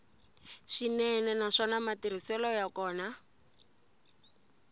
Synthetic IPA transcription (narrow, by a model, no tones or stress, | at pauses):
ʃinɛnɛnaʂɔnamatiɾ̤isɛlɔjakɔːna